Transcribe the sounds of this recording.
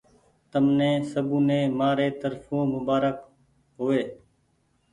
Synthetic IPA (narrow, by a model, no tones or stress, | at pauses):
t̪əmnẽːsəbũːnẽːmaːɾeːt̪əɾfʰõːmʊbaːɾək | ɦoːeː